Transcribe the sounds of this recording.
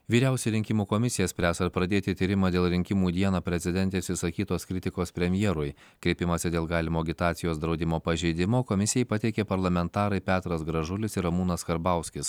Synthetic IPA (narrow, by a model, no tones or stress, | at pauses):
ʋʲiːɾʲɛˑʊsʲɛɾʲɪŋʲkʲɪmuːkomʲɪsʲɪjɛsʲpʲɾʲæːsɐɾpɾɐd̪ʲeːt̪ʲɪt̪ʲiːɾʲɪmɐːd̪ʲeːlˠɾʲɪŋʲkʲɪmuːd̪ʲiɛnɐːpʲɾʲɛzʲɪd̪ʲɛnʲt̪ʲeːsʲɪsɐkʲiːt̪oːskɾʲɪt̪ʲɪkoːspʲɾʲɛmʲjɛːɾʊj | kɾʲɛɪpʲɪmɐsʲɪd̪ʲeːlˠɡɑːlʲɪmoːɡʲɪt̪ɑːt̪sʲɪjoːsd̪ɾɒʊd̪ʲɪmoːpɐʒʲɛɪd̪ʲɪmoːkomʲɪsʲɪjɛɪpɐt̪ʲɛɪkʲepɐɾlˠɐmʲɛnt̪ɑːɾɐɪpʲæːt̪ɾɐsɡɾɐʒʊlʲɪsɪɾɐmuːnɐskɐɾbɑˑʊsʲkʲɪs